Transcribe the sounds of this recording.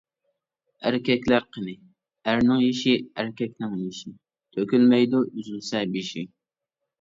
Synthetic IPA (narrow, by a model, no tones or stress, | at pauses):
æɾkʲɛkʲlæɾqʰənɨ | æɾnɪŋjiʃiæɾkʲʰɛkʲnɪŋjiʃi | t̪ʰøkʲylmɛjd̪uzusɛbiʃi